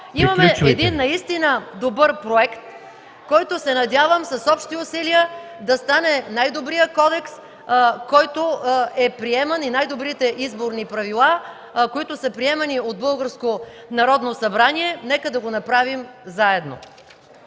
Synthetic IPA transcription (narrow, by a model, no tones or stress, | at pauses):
imɐmɛɛd̪inːɐist̪inəd̪obɤɾpɾoɛkt̪ | kɔjt̪osɛnɐd̪ʲjavəmsɐsɔpʃt̪iʊsiliə | d̪ɐst̪anɛnajd̪obɾijəkɔd̪ɛks | kɔjt̪oɛpɾiɛmɐninajd̪obɾit̪ɛʔizboɾnipɾɐvilˠa | koit̪ʊsəpɾiɛmɐniod̪̚bɤlˠɡəɾsko | nɐɾɔd̪nosɐbɾaniɛnɛkəd̪ɐɡonɐpɾavimzaɛd̪no̰